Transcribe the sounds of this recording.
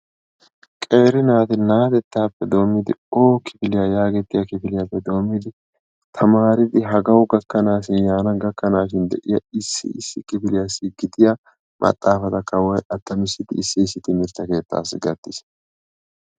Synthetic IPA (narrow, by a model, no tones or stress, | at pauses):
kʼe̞ːɾɪnaːt̪ɪnaːt̪ɛt̪ːaːpːɛd̪o̞ːmːɪd̪ɪo̞ːkɪfɪlɪjɐjaːɡɛt̪ːɪjɐkɪfɪlɪjapːɛd̪o̞ːmːɪd̪ɪ | t̪ʰɐmaːɾɪd̪ɪɦɐɡɐwʊɡɐkːɐnaːʃɪnjaːnɐɡɐkːɐnaːʃɪnd̪ɛʔɪjɐɪsːɪ̰ɪsːɪkɪfɪlɪjasɪɡɪd̪ɪjɐ | mʔɐ̰t̪ʼːaːfɐt̪ɐkːɐwɔjʔɐt̪ːɐmɪsːɪd̪ɪːsːɪɪs̬ːɪt̪ɪmɪɾt̪ːɐke̞ːt̪ːa̰ːsːɪɡɐd̪ːɪs